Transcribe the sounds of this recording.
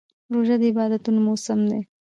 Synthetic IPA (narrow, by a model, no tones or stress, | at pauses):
ɾoʒad̪əɪbɑːd̪ɐt̪unmosəmd̪e